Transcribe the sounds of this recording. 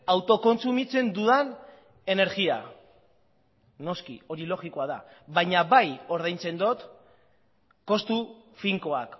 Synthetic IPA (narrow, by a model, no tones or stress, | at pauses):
awt̪o̞ko̞nsumit͡se̞nd̪uðan | e̞ne̞ɾɣia̰ | no̞skḭo̞ɾilo̞ɣiko̞aða̰ | βajɲaβajo̞ɾðajnt͡se̞nd̪o̞t̪ | ko̞st̪u | fiŋko̞ak